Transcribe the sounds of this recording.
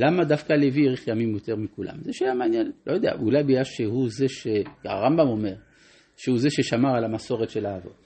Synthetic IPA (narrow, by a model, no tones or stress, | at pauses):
lamad̪afkalevieʁiχjamimjot̪e̞ʁmikula̰mzeʃajamanjenlojod̪ea̰ulajbijaʃehuze̞ʃeka̰ʁambamo̞me̞ʁ | ʃehuzeʃeʃamaʁalamaso̞ʁetʃe̞laːvo̞̰t